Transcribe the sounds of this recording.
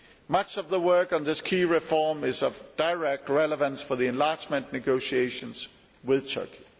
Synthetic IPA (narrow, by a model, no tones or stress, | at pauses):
mʌt͡ʃʌvðəwɜ˞kn̩ðɪskʰiːɹɪfɔːmɪzʌvd̥əɹɛk̚t̚ɹɛləvə̃nsfə˞ðiɨ̃nlɑɹt͡ʃmə̃nnɨɡoʊʃieɪʃə̃nz̥ | wɪð̥tʰɜ̰˞kʰi̥